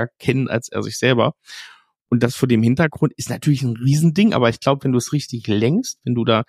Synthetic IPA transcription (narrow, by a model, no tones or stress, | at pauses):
ɐkʰɛnənʔa̰lsʔḛːɐzɪçz̥ɛlbɐ | ʔʊntd̥asfoːɐdeːmhɪntɐɡʁʊntʔɪstnatʰyːɐlɪçn̩ʁiːzn̩dɪŋʔa̰ːbɐɪçɡ̥laʊbəvɛnduːɛsʁɪçtɪçlɛŋkstv̥ɛnduːdaː